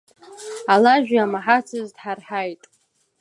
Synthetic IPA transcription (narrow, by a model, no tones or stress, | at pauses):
alaʒᶣamaħat͡sʰɨzdħarħajtʼ